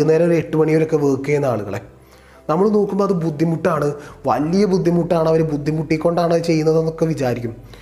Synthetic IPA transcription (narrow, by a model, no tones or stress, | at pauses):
neːɾɐoɾeʈːumɐɳijoɾo̞kːe̞ʋeːkːɨɐenːaːɭuɣɐ̰ɭe̞̰ | nɐmːɐɭno̞ːkːumboðebud̪ʱːimuʈːaːɳɨʋɐlijɐbud̪ʱːimuʈːaːɳɐʋɐɾebud̪ʱːimuʈːikʲːo̞ɳɖaːɳɐt͡ɕe̞jːunːɐðenːo̞kːe̞ʋit͡ɕaːɾikʲːum